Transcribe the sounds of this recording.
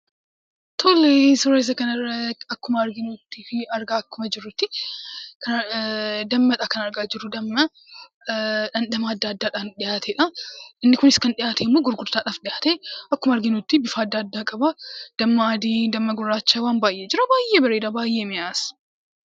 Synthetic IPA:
t̪ʰoːlesɔɾeːs̬ɐkɐnɐrːɐɐkːʊmɐːɾɡɪnuːt̪ːifɪɐɾɡaːɐkːʊmɐd͡ʒɪɾːʊt̪ːɪkʰɐn | d̪ɐmːɐᶑ̪akɐnɐɾɡaːd͡ʒɪɾʊd̪ɐmːɐ | ᶑɐnd̪ɐmaːɐd̪ːaːd̪ːaːᶑaːnᶑɪjaːt̪ʰeːᶑɐʔɪnːɪkʊnɪskɐnᶑɪjaːt̪ʰeːmːoːɡʊɾɡʊɾt̪aːᶑaːfᶑɪʔaːt̪eɐkːʊmɐɐɾɡɪnut̪ːɪbɪfaːd̪ːaːd̪ːaːkʼɐbɐd̪̥ɐmːɐaːd̪iːd̪ɐmːɐɡʊrːaːt͡ʃːawaːnbaːjʔeːd͡ʒɪɾɐbaːjːeːbɐɾeːᶑɐbaːjːʔeːmɪjaːs

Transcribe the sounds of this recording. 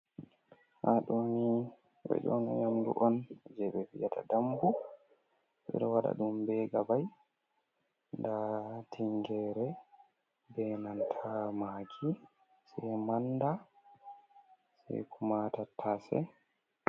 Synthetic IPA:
haɗoni | wɛ̰d͡ʒɔnɔjamdṵʔɔnd͡ʒɛɓɛbiatʰa̰dambu | bɛ̰ɗɔwaɗa̰ɗumbɛːɡabaj | ndatʰiŋɡɛːɾɛ | bɛnantʰamakʰi | sɛmanda | sɛ̰kʰumatatʰasɛ̰

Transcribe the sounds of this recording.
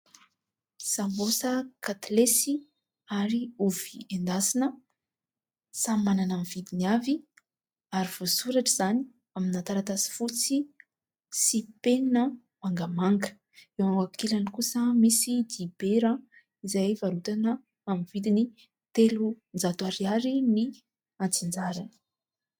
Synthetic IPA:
sambosəkat̪lesi | aɾiuviend̪asinə | samananamiv̥id̪inavi | aɾiv̥osuɾaʈ͡ʂiz̥ani̥ | aminat̪aɾat̪asi̥fut͡si | sipenə | maŋɡamaŋɡə̥ | ewwakilanikusəmisid̪ib̥eɾa | izajvaɾut̪anə | amiv̥id̪ini | t̪elu | nd͡zat̪uaɾiaɾini | at͡sind͡zaɾanə̥

